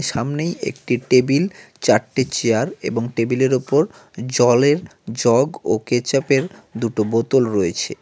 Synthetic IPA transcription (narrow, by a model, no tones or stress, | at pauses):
ʃamnejḛk̚ʈiʈebilt͡ɕaɾʈːet͡ɕeaɾḛboŋʈebileɾopoɾ | d͡ʑɔleɾd͡ʑɔɡoket͡ɕapeɾd̪uʈobot̪olɾoet͡ɕʰe